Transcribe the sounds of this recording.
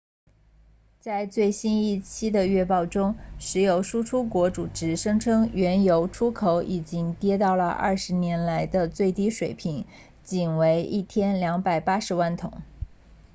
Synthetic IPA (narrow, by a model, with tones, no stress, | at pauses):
t͡sa˥˧ɪt͡swe˥˩ɪɕi˥ni˥˩t͡ɕʰi˥d̪ə˨ɥɛ˥˧pɑ˥˩ʊʈ͡ʂʊ˥ŋʂɻ̩˧˥jo˧˩ʊʂu˥ʈ͡ʂʰu˥kwɔ˧˥ʈ͡ʂu˨˩ʈ͡ʂɻ̩˧˥ʂɤ˥ŋʈ͡ʂʰɤ˥ŋɥɛ˧˥njo˧˥ʊʈ͡ʂʰu˥kʰo˧˥ʊʔi˨˩t͡ɕi˥ŋt̪jɛ˥t̪ɑ˥˩ʊlə˩ʔɐ̰˥˩ʂɻ̩˧˥njɛ˧˥nla˧˥ɪd̪ə˧t͡swe˥˩ɪt̪i˥ʂwe˨˩ɪpʰi˧˥ŋ | t͡ɕi˨˩nwe˧˥ɪʔḭ˥˩t̪ʰjɛ˥nljɑ˧˥ŋpa˨˩ɪpa˥ʂɻ̩˧˥wa˥˩nt̪ʰʊ˨˩˦ŋ